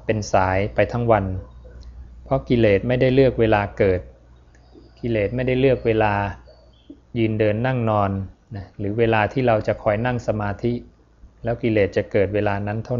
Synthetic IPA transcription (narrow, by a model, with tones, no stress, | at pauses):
pe˧nsaː˩˦jpa˧jt̪ʰa˦˥ŋwa˧n | pʰɾɔ˦˥ki˧leː˨˩t̪̚ma˥˩jda˥˩jlɯ˥˩ək̚weː˧laː˧kɤː˨˩t̪̚ | ki˧leː˨˩t̪̚ma˥˩jda˥˩jlɯ˥˩ək̚weː˧laː˧ | jɯː˧ndɤː˧nːa˥˩ŋnɔː˧nna˦˥ɾɯː˩˦weː˧laː˧t̪ʰiː˥˩ɾa˧wt͡ɕa˨˩kʰɔː˧jna˥˩ŋsa˧maː˧t̪ʰi˦˥ʔ | lɛː˦˥wki˧leː˨˩t̪̚t͡ɕa˨˩ʔkɤː˨˩t̪̚weː˧laː˧na˦˥nt̪ʰa˥˩w